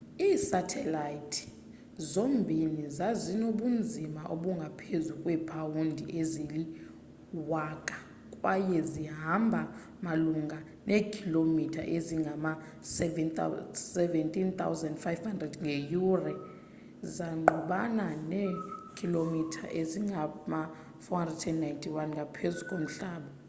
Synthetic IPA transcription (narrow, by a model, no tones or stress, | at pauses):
iːsatʰɛlajitʰi̥ | zombʱinizazinoɓund͡zʱimaʔoɓuŋɡʱapʰezukʼwɛpʰʼawundʱiʔezili | wakʼḁ | kʼwajɛziɦambʱa | maluŋɡʱa | nʔeːkʰilomitʰa̰ʔeziŋɡʱama | sɛvɛsɛvɛntʼint̪ʰʼa̰wzɛndfajvhandrɛdŋɡʱejurɛ | zaŋ͡ǃuɓananekʰilomitʰa̰ʔeziŋɡʱama | fɔandɛtʰɛnnːajntʼʰiwanŋɡʱapʰezukʼom̩ɬaːɓɔ